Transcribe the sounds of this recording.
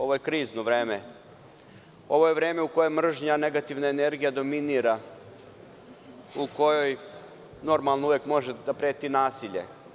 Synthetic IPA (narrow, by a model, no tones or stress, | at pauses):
o̞ʋojekɾiːznoʋɾeːme | o̞ʋo̞je̞ʋɾe̞ːme̞uko̞jemr̩ʒɲane̞ɡat̪iʋnaene̞ɾɡijad̪o̞miniɾa | uko̞joj | no̞ɾmalˠnouʋjekmo̞ʒed̪apɾeːt̪inaːsiʎḛ